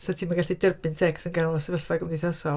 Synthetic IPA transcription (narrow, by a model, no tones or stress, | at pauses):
sɛtʰiːmaɡaɬidərbɨntʰɛksənɡalˠɔsɛvəɬvaɡəmniθɔsɔ